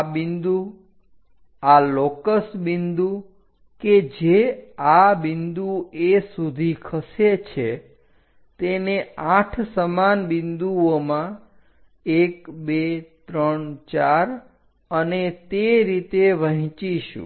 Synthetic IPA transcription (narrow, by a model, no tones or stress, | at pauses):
abɪnd̪u | alɔkəsbɪnd̪u | ked͡ʒeabɪnd̪uesud̪ʱikʰəset͡ʃʰe | t̪eneãʈʰsəmanbɪnd̪uomã | ekbet̪ɾəɳt͡ʃaɾ | ənet̪eɾit̪eʋəɦĩt͡ʃiʃṵ̃